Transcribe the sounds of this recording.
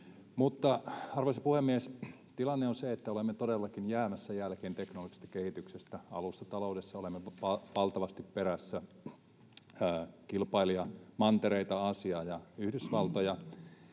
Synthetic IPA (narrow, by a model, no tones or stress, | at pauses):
mut̪ːɑɑrʋɑisɑpuhemːies | t̪ilɑnːeonseet̪ːæolemːet̪odelːɑkinjæːmæsːæjælkeːnt̪eknoloɡi̥st̪ɑ̥kehit̪yksest̪æɑ̰lusːɑt̪ɑloudesːɑolemːeʋɑʋɑlt̪ɑʋɑst̪ippeɾæsːæ | kilpɑiliɑmɑnt̪eɾeit̪ɑɑsiɑːjɑyhdysʋɑlt̪ojɑ